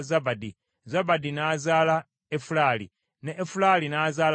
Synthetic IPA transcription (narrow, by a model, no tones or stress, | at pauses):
zabadi | zabadinazaːla | efulalḭ | neʔːfulalinazaːl